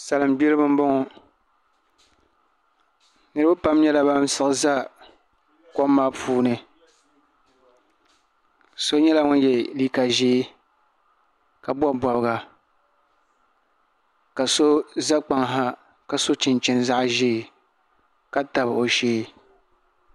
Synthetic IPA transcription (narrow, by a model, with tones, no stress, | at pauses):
sa˨lɨ˨m˦bi˦lɨ˦bɨ˦m̩˦bɔ˦ŋɔ˨ | nɨ˦ɾɨ˦bɨ˦pa˦m˦ɲɛ˦la˨ba˦m˦sɨ˦ʔɨ˦za˦ | ko˦mːaː˦pʰuː˦nɨ˨ | so˦ɲɛ˦la˦ŋʊ˦n˦jɛ˨liː˦ka˨ʒeː˦ | ka˨bɔ˦ba˨bɨ˦ɡa˨ | ka˨so˦za˦k͡pa˨ŋɦa˦ | ka˨so˦t͡ʃɪ˨nt͡ʃɪ˦nza˦ʔʒeː˦˨ | ka˦ta˨bo˨ʃeː˦